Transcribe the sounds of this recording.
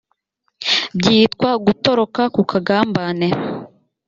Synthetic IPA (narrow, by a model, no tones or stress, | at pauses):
bɟiːtkwaɡutoɾo̞kakukʰaɡaːmbane